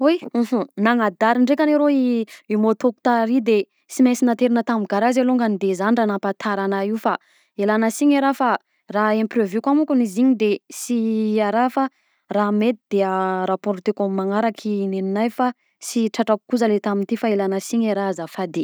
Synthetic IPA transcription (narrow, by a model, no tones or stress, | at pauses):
uj̩ɦ̩naŋad̪aɾiɳɖ͡ʐekʲaneɾoiimot̪oku̥t̪aɾid̪e | simesinant̪eɾinət̪amiɡaɾazaloŋɡanid̪ezaniɖ͡ʐanapat̪ʰaɾanaiwfa | elanəsiɲeɾafa | raẽmprevjukwamukuniziɲid̪esiaɾafa | ramet̪id̪̥eəɾapɔɾt̪ekomːaŋaɾakʰineninajfa | siʈ͡ʂaʈ͡ʂaku̥kuzalet̪amint̪ifaelanəsiɲeɾaazafad̪e